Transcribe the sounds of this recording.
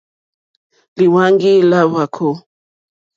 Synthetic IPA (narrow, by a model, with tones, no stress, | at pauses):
li˨wa˦ŋɡi˦la˦wa˨kʰo˦